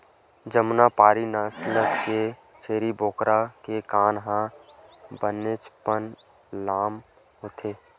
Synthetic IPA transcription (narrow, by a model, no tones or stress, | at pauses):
d͡ʒəmnapaːɾinaːsləkke | t͡ʃʰeːɾiboːkɾʔakekaːnɦã | bənet͡ʃpən | laːm | ɦoːt̪ʰeː